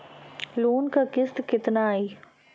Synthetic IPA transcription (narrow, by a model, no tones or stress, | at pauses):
loːnkakɪst̪kɪt̪naːiː